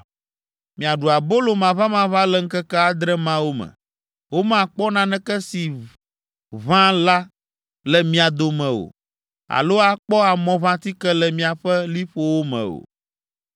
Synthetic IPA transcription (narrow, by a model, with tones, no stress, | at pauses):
mĩ˨a˨ɖu˨a˨bo˦lo˨mã˨va˦mã˦βã˦lɛ˦ŋ̩˦kɛ˦kɛ˦a˨d̪ɾɛ˦mã˦wo˦mɛ̰̃˨ | wo˦mã˦˨k͡pɔ˦nã˦nɛ̃˦kɛ˦si˨ | βã˦la˦ | lɛ˨mĩ˦a˨d̪o˦mɛ̃˨o̰˨ | a̰˨lo˦a˨k͡pɔ˦a˨mɔ̃˦vã˦t̪i˦kɛ˦lɛ˨mĩ˦a˨ɸɛ˦li˦ɸo˦wo˦mɛ̰̃˨o̰˨